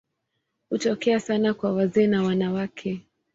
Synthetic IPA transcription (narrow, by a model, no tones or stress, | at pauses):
hutɔkɛasanakwawazɛːnawanawakʰɛ